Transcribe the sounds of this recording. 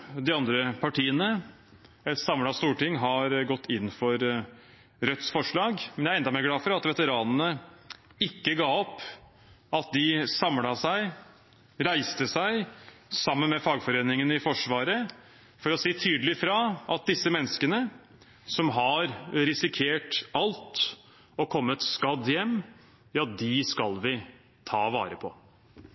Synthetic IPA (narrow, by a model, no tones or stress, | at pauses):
d̪ɪɑnd̪ɾəpʰɑʈiːənə | ɛt̪sɑmlɑst̪uːʈɪŋːɦɑɾɡɔt̪ʰːɪnːfɔɾ | ɾœt̪sfɔʂɭɑːɡmɛnjæɾɛnd̪ɑmeːɾɡlɑːfɔɾɑt̪ʋɛt̪əɾɑːnənə | ɪkːəɡɑːɔpː | ɑt̪̚d̪ɪsɑmlɑsæɪ | ɾæɪst̪əsæɪsɑmːənmɛfɑːɡfɔɾeːnɪŋənɪfɔʂʋɑːɾə | fɔɾɔsiːt̪ʰyːd̪əlɪfɾɑʔɑt̪̚d̪ɪsːəmɛnːskənə | sɔmɦɑɾɾɪsɪkʰeːʈɑlt̪ | ɔkʰɔmːət̪skɑd̪jɛmː | ɑt̪̚d̪ɪskɑlʋɪ | t̪ʰɑːʋɑ̰ːɾəpʰɔ̰